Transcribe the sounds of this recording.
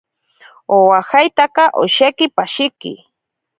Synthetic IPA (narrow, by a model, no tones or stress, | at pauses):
owaxajt̪aqɑʔoʃekɪpaʃɪkɪ̰